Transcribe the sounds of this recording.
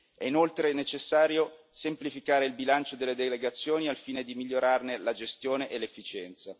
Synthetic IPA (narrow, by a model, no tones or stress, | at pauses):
ɛinolt̪ɾenet͡ʃesːaːɾjo | semplifikaːɾeilbilant͡ʃod̪elːed̪eleɡat̪sːjoːnialfiːned̪imiʎːoɾarnelad͡ʒest̪joːneʔelːefːit͡ʃɛnt̪sa